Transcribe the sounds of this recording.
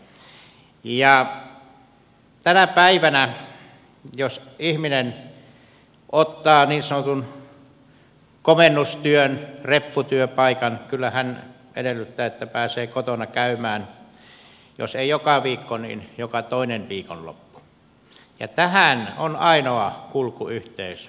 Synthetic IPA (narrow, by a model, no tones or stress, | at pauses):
jɑ | t̪ænæpæiʋænæ | josihminen | ʔot̪ːɑːniːnsɑnot̪un | komenːust̪yønrepːut̪yøpɑˑikɑnkylːæhæn | ḛdelːˑyt̪ːæːet̪ːæpæːseːkot̪onɑkæymˑæːn | jo̰seˑijokɑʋiːkːonḭːnjokɑt̪oˑinenʋiːkonlo̰pːu̥ | jɑ̰t̪æhænonɑˑinoɑkulkuyht̪eˑys